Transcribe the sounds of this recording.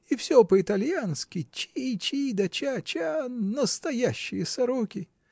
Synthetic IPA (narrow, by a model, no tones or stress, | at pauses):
ifsʲopəɪt̪ɐlʲjanskʲɪt͡ɕit͡ɕid̪ɐt͡ɕat͡ɕanəst̪ɐjaɕːɪjəsɐɾokʲɪ